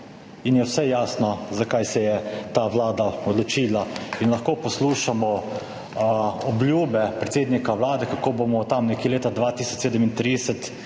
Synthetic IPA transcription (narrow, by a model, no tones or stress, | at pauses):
injɛwsɛjaːsnɔzakajsɛjɛt̪aʋlaːd̪aɔd̪lɔt͡ʃiːlainlɐxkoːpɔsluːʃamɔ | ɔblʲjuːbɛpɾɛt̪seːd̪nikawlaːd̪ɛkakoːbomɔt̪amnɛkeleːt̪ad̪ʋat̪iːsɔ̥t͡ʃseːd̪əmint̪ɾid̪ɛsət̪